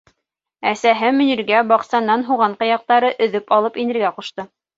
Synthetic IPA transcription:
æsæɦɘmɵ̆niɾɡæbɑqsɑnːɑnɦuʁɑɴqɑ̆jɑq̚t̪ɑɾɤʔɵ̆ðɵpɑlˠɤpinɘ̆ɾɡæquʃt̪ɤ

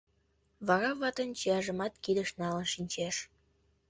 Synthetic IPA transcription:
βɑɾɑβɑt̪ənt͡ɕiɑʒə̆mɑt̪kid̪əʃnɑlənʃinʲt͡ɕeʃ

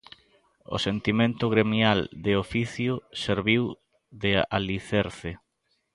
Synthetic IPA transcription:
o̰sent̪imẽnt̪ʊɣɾemjald̪ɪofiθjʊseɾβiw | ðɪa̰liθeɾθɪ

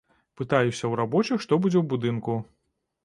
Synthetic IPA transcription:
pɨt̪ajusʲɐwɾabɔt͡ʃɨxʂt̪ɔbud͡zʲɛwbud̪ɨnku

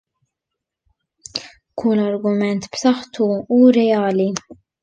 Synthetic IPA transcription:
kʰʊlɐɾɡʊmɛnt̪bsɐħt̪ʰuuɾɛjaːli

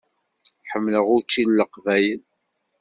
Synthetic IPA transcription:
ħəmːləʁʊɾt͡ʃːilːəqvæjən

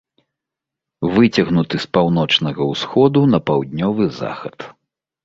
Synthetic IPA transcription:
vɨt͡sʲɐɣnut̪ɨspawn̪ɔt͡ʂnɐɣɐwsxɔd̪unɐpawd̪ʲnʲɔvɨza̰xɐt̪

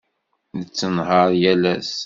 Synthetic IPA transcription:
nət͡sːənɦəɾˤjælæs

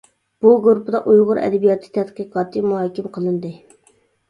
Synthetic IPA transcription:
b̥uɡuɾupd̪ɑʔujʁʊɾɛ̰d̪ɛbijɑt̪ʰɨ̥t̪ʰɛt̪qɨqʰɑːt̪ʰɨmuɦɑːkʲɪmqʰəlˠɨnd̪ɨ

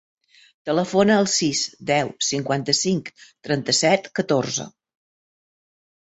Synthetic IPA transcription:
t̪ələfonəːlˠsisd̪ɛwsiŋkwant̪əsiŋkt̪ɾɛnt̪əsɛt̪kət̪orzə̰

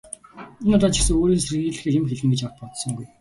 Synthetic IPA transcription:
inʊt̪ɔːt͡ɕʰi̥sɘ̆ŋoːɾiːnserɣiːɮɘ̆xeːjɪmxeɮɘ̆ŋɡet͡ɕɔwt̪̚pɔt̪sɞ̆ŋɡuj

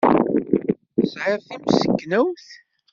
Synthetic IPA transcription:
sʕɪɾθimsə̥kːnʊwθ

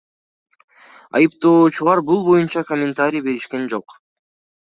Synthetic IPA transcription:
ɑ̰jɯpt̪o̞ːt͡ʃulˠɑɾbulˠbo̞junt͡ʃɑkomʲːɪnt̪aɾʲijbe̞ɾiʃke̞nd͡ʒo̞q

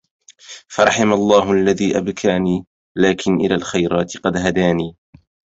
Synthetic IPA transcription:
fɑɾˤɑħɪmalˤːɑːɦʔalːaðiːʔabkʰaːniː | laːkɪnʔɪlaːlxajɾɑːt̪ɪqɑd̪ɦad̪aːniː

